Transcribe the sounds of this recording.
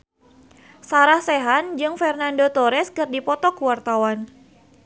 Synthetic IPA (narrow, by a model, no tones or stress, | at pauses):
saɾahsɛɦand͡ʒɨŋfɛrnandot̪ɔɾɛskɨrdipɔt̪ɔkuwart̪awan